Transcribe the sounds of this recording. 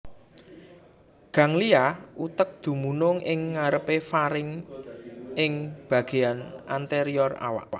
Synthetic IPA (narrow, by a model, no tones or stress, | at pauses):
ɡ̥ä̤ŋliaʔut̪ək̚d̪̥ṳmunʊŋʔɪŋːaɾəpefaɾɪŋ | ɪŋb̥a̤ɡ̥e̤anʔant̪eɾiɔra̰wa̰ʔwaʔ